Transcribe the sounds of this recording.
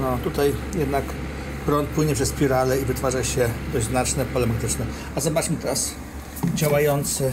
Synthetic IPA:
nɔt̪ut̪ajjɛd̪nak | pɾɔnt̪̚pwɘɲɛpʂɛspʲiɾalɛivɘt̪faʐaɕɛd̪ɔʑznat͡ʂnɛpɔlɛmat̪ɘt͡ʂnɛ | azɔbat͡ʂmɘt̪ɛɾas | d͡ʑawajɔnt̪sɘ

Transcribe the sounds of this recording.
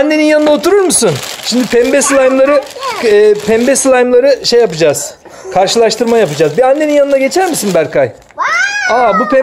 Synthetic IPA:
nːeinjanɯnd̪aot̪ʰuɾuɾmusunʃimd̪ipʰɛmbɛsɯlˠajɯmlˠaɾɯ | ɛːpʰɛmbeslˠajɯmlˠaɾɯʃejːapɯd͡ʒaːz̥ | kʰaɾʃɯlˠaʃt̪ʰɯɾmajapɯd͡ʒaːzbianːe̞ninjanɯnaɡɟe̞t͡ʃʰæɾmisinbæɾkʰaj | aːbupʰɛ

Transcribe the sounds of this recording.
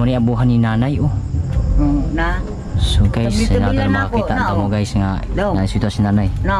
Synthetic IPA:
ɔniabuɦaninanaju | na | suɡaisnaɡmakit̪aʔ̪amoɡajsŋadŋasuit̪uasinanajn

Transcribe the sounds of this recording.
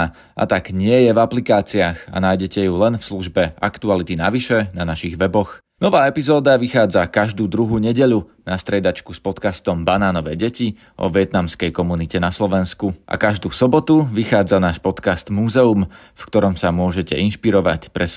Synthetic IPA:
ʔa̰t̪aɡɲɪɛjɛvaplikaːt͡siaxa̰naːjɟɛcɛjulɛnfsluʒbɛʔakt̪ualit̪inaʋiʃɛnanaʃiɣʋɛbɔx | nɔʋaːɛpizɔːd̪aʋixaːd͡zakaʒd̪uːd̪ɾuɦuːɲɛɟɛʎu | nast̪ɾɛd̪at͡ʃkuspɔt̪kast̪ɔmbanaːnɔʋɛːɟɛci | ʔɔ̰ʋɪɛt̪namskɛjkɔmunicɛnaslɔʋɛnskuʔa̰kaʒd̪uːsɔbɔt̪uʋixaːd͡zanaːʃpɔt̪kast̪muːzɛum | fkt̪ɔɾɔmsamʊɔʒɛcɛʔinʃpiɾɔʋa̰cpɾɛs

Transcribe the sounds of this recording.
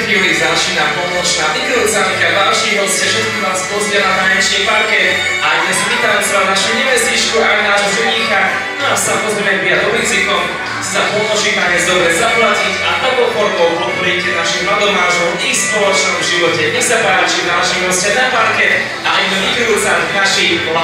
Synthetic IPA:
xilizat͡ʃinapɔmɔt͡ʃnaʋibiɾut͡sankadalʃiɦɔscɛʒɛsiazp̪ɔzɪɛɦanaɲɛt͡ʃɛpaɾkɛ | ʔaɲɛzvit̪anɛsanaʃuɲɛʋɛst̪it͡ʃkuʔajnaːʒɦɔzuɲika | nɔasamɔzɾɛjmɛbiad̪ɔʋit͡sikɔm | sapɔmɔʒimaɲɛzd̪ɔbɾɛzaplacicaʔɔbɔpɔɾbɔʊpɔt̪̚pɔɾicɛnaʃimlad̪ɔmaːʒɔmixspɔlɔt͡ʃnɔmʒiʋɔcɛɲɛxsapaːt͡ʃinaːʃiɦɔscɛnapaɾkɛ | aʔinɛvibid̪ut͡savnaʃi

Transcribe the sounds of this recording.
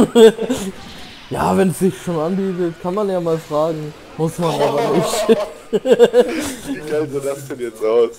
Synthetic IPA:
jaːvɛnsz̥ɪçʃoːnanbiːtətkʰanmanjaːmaːlfʁ̥aːɡŋ̩ | mʊsmanʔaːbɐnɪçtɪ | iɡazodastunjɛt͡saʊs

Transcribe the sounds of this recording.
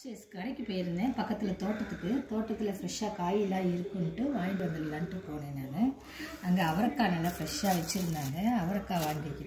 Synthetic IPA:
t͡ʃeːskɐɽɐɪkʲːɯpoːjɪɾɯnd̪eːpɐkːɐt̪ːɪlɐt̪oːʈːɐt̪ːɯkːɯt̪oːʈːɐt̪ːɪlɐfɪɾɐʂːaːkaːjɪlaːɪɾɯkːɯnʈːɯʋaːjmbɐnd̪ɐlɐlːaːnʈːɯpoːneːnaːnɐ | ɐŋɡeɐʋɐɾɐkːaːnɐlːɐfɪɾɛʂaːʋɛt͡ʃːɪɾɯnd̪aːŋɡɐɐʋɐɾɐkːaːʋaːŋɡɪkʲːɪ

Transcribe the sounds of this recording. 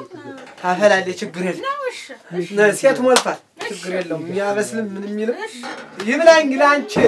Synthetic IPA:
afəlalːet͡ʃʰɪɡːɨɾjɛlː | nəset̪mɔlfal | t͡ʃʰɪɡːɨɾjɛlːəwɨɲːaβəslɨmːɨnɨmːilɨmjɪmlajɲɡɨlant͡ʃʰɪ

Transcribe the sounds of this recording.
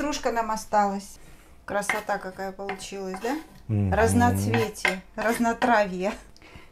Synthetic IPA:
ɾuʂkənamɐst̪alˠəsʲ | kɾəsɐt̪akɐkajəpəlˠʊt͡ɕilˠəsʲd̪a | ɾəznɐt̪svʲetʲəɾəznɐt̪ɾavʲɪjə

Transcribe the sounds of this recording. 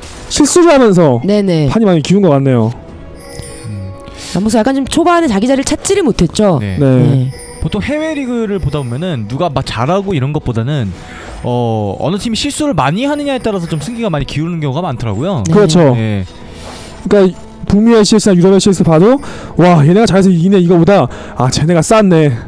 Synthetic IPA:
ɕʰiɭs͈uɾɯɭɦamjʌns̬ʰʌne̞ne̞pʰaɲimaɲikiunɡʌk͈anːe̞jo | ambosʰʌjak͈ant͡ɕomt͡ɕʰobaɦanɯnt͡ɕaɡid͡ʑaɾɯɭt͡ɕʰat̚t͡ɕ͈iɾiɭmotʰe̞t̚t͡ɕ͈onḛne̞e | potʰoŋhe̞we̞ɾiɡɯɾɯɭpodabomjʌnɯnːuɡamak̚t͡ɕaɾaɡoiɾʌnɡʌp͈odanɯn | ʌʌ̰nɯt͡ɕʰimiɕʰiɭs͈uɾɯɭmaɲiɦanɯɲaet͈aɾasʰʌt͡ɕomsʰɯŋɡiɡamaɲikiuɾɯnɯnk̬jʌŋuɡamantʰɯɾaɡojokɯɾʌt͡ɕʰoje̞ | k͈a | pumieɕʰiɭs͈ʰɯnajuɾʌbeɕʰiɭs͈ʰɯpadowajeneɡat͡ɕaɡes̬ʰʌiineiɡʌpoda | at͡ɕe̞ne̞ɡas͈anːe̞

